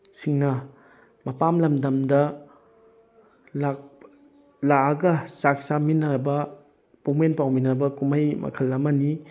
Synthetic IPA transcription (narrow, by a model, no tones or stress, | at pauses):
siŋnɐ | mɐpamlɐmdɐmdɐ | la | laɡɐsak̚saminɐbɐ | pomenpawminɐbɐkumajmʔɐ̰kʰɐlːɐmɐni